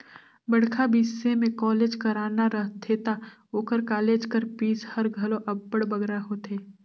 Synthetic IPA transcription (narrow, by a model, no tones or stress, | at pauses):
bɐɽ̤kʰabiːsːemẽkɔːleːd͡ʒkɐɾaːnaɾəɦt̪ʰeːt̪a | oːkəɾkaːleːd͡ʒkəɾpiːshɐɾɡʱɐlõʔɐbːəɽbɐɡɾaɦot̪ʰeː